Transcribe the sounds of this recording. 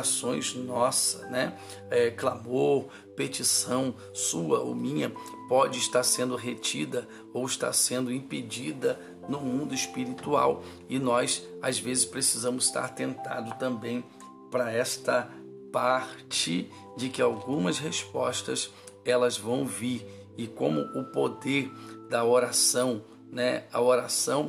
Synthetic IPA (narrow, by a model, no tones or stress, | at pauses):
asõj̃znɔsɐ̥nɛ | ɛklamoɾ | pet͡ʃisɐ̃w̃ | suɐʔo̰mĩɲɐ | pɔd͡ʒɪːʃt̪aɾsẽnd̪ʊɦet͡ʃid̪ɐ | owɪʃt̪a̰ɾsẽnd̪ʊĩped͡ʒid̪ɐ | nʊmũnd̪ʊispiɾit̪ua̰w | ɪnɔjsazvezɪspɾesizɐ̃mʊzst̪a̰ɾt̪ẽnt̪a̰d̪ʊt̪ɐ̃mbẽj̃ | pɾɐɛst̪ɐ | paɾt͡ʃɪ | d͡ʒɪkɪawɡũmɐsɦespɔst̪ɐs | ɛlɐzvɐ̃w̃viɾ | ɪkõ̰mʊʔʊpod̪eɾd̪ɐoɾasɐ̃w̃ | nɛɐoɾasɐ̃w̃